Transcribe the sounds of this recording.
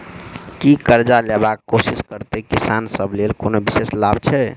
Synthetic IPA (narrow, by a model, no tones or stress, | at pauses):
kikəɾd͡ʒalɛbakːosiskəɾt̪ekisansəblelkonobiseslab̚ʱt͡ʃʰɛ